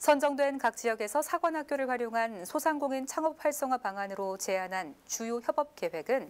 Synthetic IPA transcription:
sʰʌnd͡ʑʌŋdwe̞nkak̚t͡ɕ͈ijʌɡesʰʌsʰaɡwʌnhak̚k͈joɾɯɭɸwaɾjoŋɦansʰosʰaŋɡoŋint͡ɕʰaŋʌp̚ʰɸaɭs͈ʌŋɦwapaŋɦanɯɾot͡ɕe̞anɦant͡ɕujoçjʌbʌp̚k͈e̞we̞ɡɯn

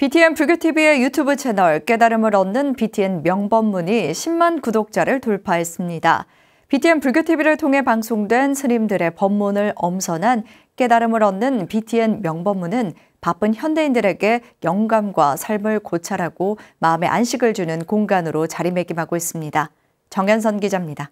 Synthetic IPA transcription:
pitʰie̞npuɭɡʲjotʰibie̞jutʰubɯt͡ɕʰe̞nʌɭk͈e̞daɾɯmɯɾʌnːɯnpitʰie̞nmjʌŋbʌmːuɲiɕʰimːankudok̚t͡ɕ͈aɾɯɭtoɭpʰaɦe̞s͈ɯmɲida̰ | pitʰie̞npuɭɡʲjotʰibiɾɯɭtʰoŋɦe̞paŋsʰoŋdwe̞nsʰɯɲimdɯɾe̞pʌmːunɯɭʌmsʰʌnɦan | k͈e̞daɾɯmɯɾʌnːɯnpitʰie̞nmjʌŋbʌmːunɯn | pap͈ɯnçjʌnde̞indɯɾe̞ɡe̞jʌŋɡamɡwasʰaɭmɯɭkot͡ɕʰaɾɦaɡ̥omaɯme̞̰ʔa̰nɕʰiɡɯɭd͡ʑunɯnkoŋɡanɯɾot͡ɕaɾime̞ɡimɦaɡois͈ɯmɲida | t͡ɕʌŋjʌnsʰʌnɡid͡ʑamɲida

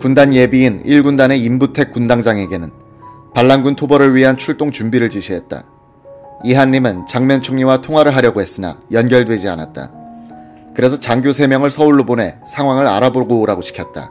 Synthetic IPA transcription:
kundanje̞biːniɭɡundane̞imbutʰe̞k͈undaŋd͡ʑaŋe̞ɡe̞nɯn | paɭːanɡuntʰobʌɾɯɭɥiɦeɦant͡ɕʰuɭt͈oŋt͡ɕumbiɾɯɭt͡ɕiɕʰiɦe̞t̚t͈a̰ | iɦanːimɯnt͡ɕaŋmjʌnt͡ɕʰoŋɲiwatʰoŋɦaɾɯɭɦaɾjʌɡoɦe̞s͈ɯna̰jʌnɡjʌɭdwe̞d͡ʑia̰na̰t̚t͈a̰ | kɯɾe̞sʰʌt͡ɕaŋɡjosʰe̞mjʌŋɯɭsʰʌuɭːobone̞sʰaŋɦwaŋɯɾaɾaboɡoɾaɡoɕʰi̥kʰjʌt̚t͈a̰

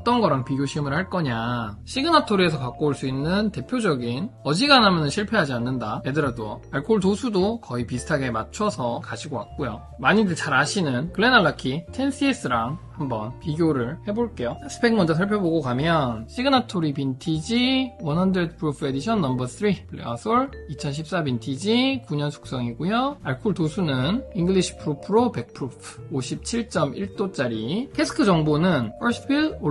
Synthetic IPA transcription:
ʌt͈ʌnɡʌɾaŋpiɡjoɕʰimɯɭhaɭk͈ʌɲaɕʰiɡɯnatʰoɾie̞s̬ʰʌkak͈oɭs͈uinːɯnte̞pʰjod͡ʑʌɡinʌd͡ʑiɡanɦamjʌnɯnɕʰiɭpʰe̞ɦad͡ʑianːɯndaedɯɾadoaɭkʰoɭtosʰudokʌipisʰɯ̥tʰaɡe̞mat͡ɕʰʌsʰʌkaɕʰiɡowak̚k͈ojo | maɲidɯt͡ɕaɾaɕʰinɯnkɯɭe̞naɭːakʰitʰe̞nsʰies͈ɯɾaŋhambʌnpiɡjoɾɯɭhe̞boɭk͈e̞josasʰɯ̥pʰeŋmʌnd͡ʑasʰʌɭpʰjoboɡokamjʌnɕ͈ʰiɡɯnatʰoɾipintʰid͡ʑiwʌnhandɾed̚pʰɯɾupʰɯe̞diɕʰʌnːʌmbʌtʰɯɾipɯɭḛʌsʰoɭit͡ɕʰʌnɕʰip̚s͈abintʰid͡ʑikuɲʌnsʰu̥k̚s͈ʌŋiɡujoaɭkʰuɭtosʰunɯniŋɡɯɭiɕʰi̥pʰɯɾupʰɯɾope̞k̚pʰɯɾupʰoɕʰip̚t͡ɕʰiɭt͡ɕ͈ʌmiɭt͈ot͡ɕ͈aɾikʰesʰɯ̥kʰɯd͡ʑʌŋbonɯnʌɭsbilo

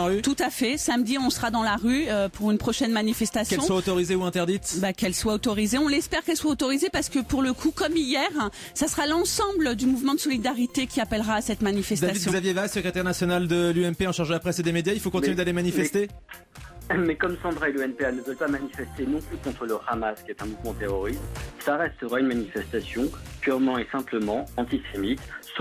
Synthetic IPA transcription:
ʁyt̪ut̪afɛsamd̪iɔ̃səʁad̪ɑ̃laʁyøpuʁynpχɔʃɛnmanifɛst̪askɛlɔ̃swaot̪ɔʁizeuɛ̃t̪ɛʁd̪it̪bakɛlswaot̪ɔʁizeɔ̃lɛspɛʁkɛlswaot̪ɔʁizepaʁsə̥kəpuʁləkʰukɔmijɛʁ | sasəʁalɑ̃sɑ̃bld̪ymuvmɑ̃d̪əsɔlid̪aʁit̪ekʲiapɛlʁaːsɛt̪manifɛsd̪asid̪jzavjevasəkχet̪ɛʁnasjɔnald̪əlyɛmpeɑ̃ʃaʁʒd̪əlapχɛsed̪emed̪jailfokɔ̃t̪inyd̪alemanifɛst̪e | mɛkɔmsɑ̃d̪ʁaeløɛnpeanəvœlpamanifɛst̪enɔ̃plykɔ̃t̪χələʁamaskʲiɛt̪ɛ̃muvmɑ̃t̪eʁɔʁist̪slaʁɛst̪əʁaynmanifɛst̪asjɔ̃pyʁmɑ̃esɛ̃pləmɑ̃ɑ̃t̪isemit̪s

